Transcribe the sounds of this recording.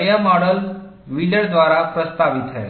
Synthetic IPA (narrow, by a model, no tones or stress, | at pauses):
əjamɔɽəl | ʋiləɽd̪ʋaɾapɾəst̪aʋit̪ɦɛ̰